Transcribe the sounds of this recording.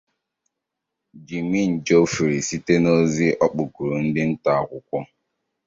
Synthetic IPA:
d͡ʒi˨mi˦n̩˨d͡ʒo˦fi˨ɾi˨si˦te˦no˦zi˦ʔɔ˦k͡pu˨ku˨ɾu˨n̩˦dɪ˦n̩˦ta˨kʷʊ˨kʷɔ˦

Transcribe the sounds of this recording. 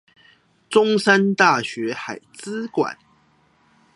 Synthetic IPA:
t͡sʊ˦ŋsa˦nt̪a˥˨ɕɥɛ˨˧˥xa˨˩ɪt͡sɹ̩˥˦kwa̰˨˩˦n

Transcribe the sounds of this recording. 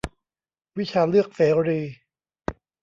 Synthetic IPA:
wi˦˥t͡ɕʰaː˧lɯ˥˩ək̚seː˩˦ɾiː˧

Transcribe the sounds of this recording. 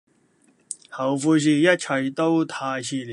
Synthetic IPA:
ha˨wfu˧ɕ̬i˧ja˥t͡ɕʰa˨˩t̪o˥˦wt̪ʰa˧ɕi˧l

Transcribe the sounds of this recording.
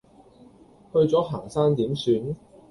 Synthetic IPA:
hɵ˧ɥt͡sɔː˨˥ɦaː˨˩ŋsaː˥ŋt̪iː˨˥msyː˨˧n

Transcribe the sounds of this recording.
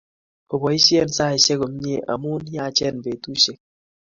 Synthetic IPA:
o˨bɔ˨i˦sjɛ˦˨n˨sa˦˨i˨ʃe˦kɔ˨m˦ɲ˦e˦˨ʔa̰˨mu˦n˦ja˦˨t͡ʃɛ˦˨n˨be˨tu˦ʃe˦k̚

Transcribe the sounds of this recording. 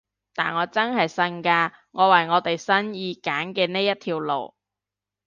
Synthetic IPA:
t̪aː˨nŋɔː˨˧t͡sɐ˥nɦɐ˨jsɐ˧nkaː˧ | ŋɔː˨˧wɐ˨˩jŋɔː˨˧t̪e˨jsɐ˥njiː˧kaː˨˥nkɛː˧ne˥jɐ˥t̪ʰiː˧wlo̰˨˩w

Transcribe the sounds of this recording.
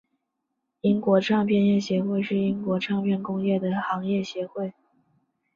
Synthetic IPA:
i˥ŋkwɔ˧˥ʈ͡ʂʰɑ˥˧ŋpʰjɛ˥˧njɛ˥˩ɕjɛ˧˥xwe˥˧ɪʂɻ̩˥˩i˥ŋkwɔ˧˥ʈ͡ʂʰɑ˥˧ŋpʰjɛ˥˩nkʊ˥ŋjɛ˥˩d̪ə˩xɑ˧˥ŋjɛ˥˩ɕjɛ˧˥xwe˥˩ɪ

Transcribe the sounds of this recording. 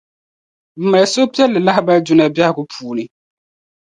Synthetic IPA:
b̩˨˦ma˨so˦pi˦ɛ˦lːɨ˨la˦hba˦ld͡ʒu˦na˦bja˦ɡʊ˦pʰuː˨nɨ˨

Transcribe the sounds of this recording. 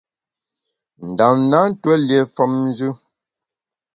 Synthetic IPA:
n̩˨da˨m˦na˦n̩˦twɛ˦lje˨fɔ˦mn̩˦d͡ʒʉ˦

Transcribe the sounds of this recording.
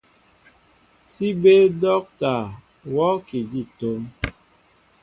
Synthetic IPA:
si˦be˦dɔ˦k̚ta˨ | wɔ˦ki˨di˦˨to˦m

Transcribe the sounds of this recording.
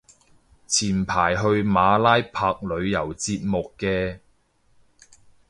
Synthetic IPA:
t͡sʰiː˨˩npʰaː˨˩jɦɵ˧ɥmaː˨˧laː˥jpʰaː˧k̚lɵ˨˧ɥjɐ˨˩wt͡siː˧p̚mʊ˨kːɛː˧

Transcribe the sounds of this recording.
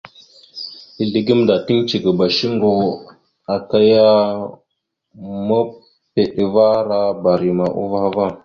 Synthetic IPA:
i˨ɮi˨ɡi˦mda˨ti˦ŋt͡ʃi˨ɡə˨ba˨ʃi˦ŋ˦ɡo˨ | a˨ka˦ja˦ | mə˦ | pe˨ɗva˦ɾa˦ba˨ɾi˨ma˨ʔo̰˦va˦va˦˨

